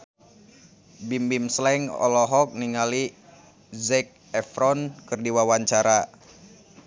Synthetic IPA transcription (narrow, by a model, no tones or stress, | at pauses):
bimbimslɛŋɔ̰lɔɦɔk̚niŋali | zɛk̚ɛfɾɔnkɨrdiwawaɲt͡ʃaɾa